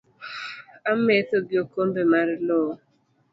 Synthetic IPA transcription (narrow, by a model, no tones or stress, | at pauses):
amet̪oɡjokombemaɾlo